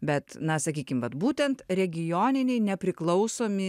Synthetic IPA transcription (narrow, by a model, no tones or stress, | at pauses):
bʲɛt̪nɐsɐkʲiːkʲɪmʋɐt̪buːt̪ʲɛnt̪ɾʲɛɡʲɪjoːnʲɪnʲɛɪnʲɛpʲɾʲɪklˠɐʊsoːmʲɪ